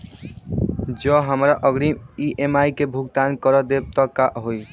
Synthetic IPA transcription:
d͡ʑɔɦamɾaʔɔɡɽimiʔemajkebʱuɡ̚t̪ankɔɾɔd̪eb̚t̪ɔkːaʔɦoj

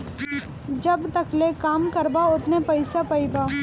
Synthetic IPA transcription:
d͡ʒɐbt̪ɐklekaːmkɐɾbaʊt̪nepɐɪsapɐibaː

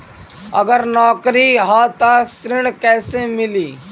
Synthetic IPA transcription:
ə̰ɡəɾnɔːkɾiɦaːt̪akʰsɾɪɽ̃kɛːsemɪliː

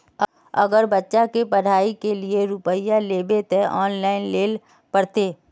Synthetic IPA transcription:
ə̰ɡəɾbətːʃakepəɽ̤aːikelieɾʊpəjaleːbet̪eʔɔːnlaːɪnleːl | pəɽt̪eː

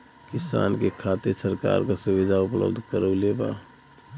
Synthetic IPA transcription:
kɪsa̰ːnkekʰat̪iɾsəɾka̰ɾkasuʋid̪ʱaʊplə̰bd̪ʱkəɾəleba̰

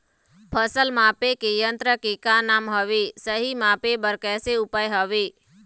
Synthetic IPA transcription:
pʰəsəlmaːpekejənt̪ɾəkekanaːmɦəʋesəɦimaːpebəɾkɛːseʊpaːjɦəʋeː

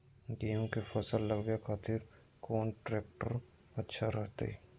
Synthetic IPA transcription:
ɡijõkefɐsəlːəɡbjekʰaːt̪ɪɾ | koːnʈɾeːk̚ʈəɾ | ɐtːʃʰaɾɛɦt̪ḛɛː

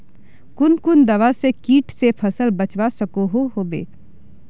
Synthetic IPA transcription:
kʊnkʊnd̪ɐʋasekiːʈʰsepʰəsəlbət͡ʃwasəkoɦoɦoːbḛː

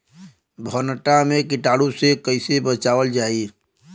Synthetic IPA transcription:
bʱənəʈamẽkɪʈaːɽũsekəɪsebət͡ʃaːʋəld͡ʒaːi

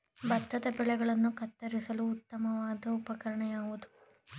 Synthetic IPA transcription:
bɐt̪ːɐd̪ɐbɛɭɛɡɐɭɐnːukɐt̪ːɐɾisɐluːt̪ːɐmɐʋaːd̪ɐupɐkɐɾɐɳɐjaːʋud̪u

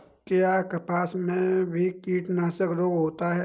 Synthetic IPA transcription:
kejakɐpaːsmẽbʱikiːʈnaːsəkɾoːɡɦoːt̪aɦɛː

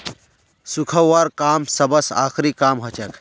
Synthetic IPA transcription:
sukʰəwːaɾkaːmsəbəsa̰ːkʰɾikaːmɦət͡ʃɐk

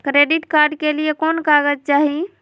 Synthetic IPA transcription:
kɾeɖiʈkaɾɖkeliekonkaɡəd͡ʒt͡ʃaɦi

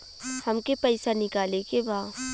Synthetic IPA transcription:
hɐmkepɛɪsanɪkaːlekebaː

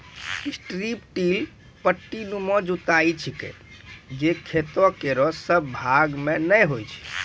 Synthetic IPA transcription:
sʈɾipʈil | pəʈːinumɔd͡ʒut̪ait͡ʃʰikḛ | d͡ʒekʰet̪ɔkeɾɔsəbbʱaɡmenəjɦojt͡ʃʰi̥

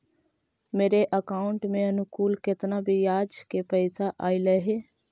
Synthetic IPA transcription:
meːɾeʔəkaːʊ̃ɳʈmẽɐnʊkuːlkɪt̪nabʱijaːd͡ʒkepəɪsaʔaːiləɦeː

